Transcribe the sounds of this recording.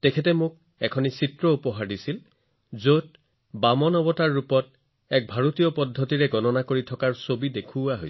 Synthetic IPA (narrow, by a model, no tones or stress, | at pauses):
tɛkʰɛtɛmʊk̚ | ɛkʰɔnisitɹɔupɔɦaɹdisil | zot̚ | bamɔnɔbɔtaɹːupɔt̚ | ɛk̚bʱaɹotijɔpɔdʱːɔtiɹɛɡɔnɔnakoɹitʰɔkaɹsobidekʰuaɦo̰js